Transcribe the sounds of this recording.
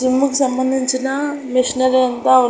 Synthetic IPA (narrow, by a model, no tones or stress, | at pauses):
imːukusɐmbɐnd̪ʱiɲt͡ʃinɐmiʂinɐɾiɐnt̪ɐʋɐ